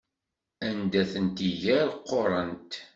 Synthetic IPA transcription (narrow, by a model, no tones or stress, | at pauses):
ænd̪æθənt̪iʝæɾqːoɾˤənt̪